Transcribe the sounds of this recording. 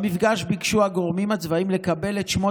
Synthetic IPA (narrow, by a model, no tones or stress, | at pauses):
mifɡaʃbikʃuaɡo̞ʁmimhat͡svaimle̞kabe̞let̪ʃmo